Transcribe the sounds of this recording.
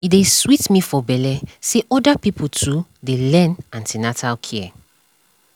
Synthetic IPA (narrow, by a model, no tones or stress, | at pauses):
ideswitmifɔbɛlɛseʔɔdapipʰutʰudelɛ̃nãntinatʰalkʰiɛ